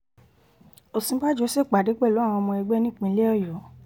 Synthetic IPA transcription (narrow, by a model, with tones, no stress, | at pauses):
o˨sĩ˨˧˦ba˦d͡ʒo˨˦se˦˨k͡pa˨de˨˦k͡pɛ˦˨lo˨˦˨w̃ɔ̃˧mɔ̃˧ɛ˧ɡ͡bɛ˦nĩ˦˨k͡pĩ˧le˦ɔ˦˨jɔ˨˦